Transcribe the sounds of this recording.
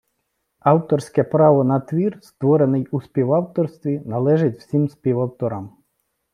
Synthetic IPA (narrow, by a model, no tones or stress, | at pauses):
ɑwt̪ɔrsʲkɛpɾɑʋɔnɐt̪ʋʲirst̪ʋɔɾenɪjuspʲiwɑwt̪ɔrst̪ʋʲinɐlˠɛʒɪtʲw̥sʲimspʲiʋɐwt̪ɔɾɐm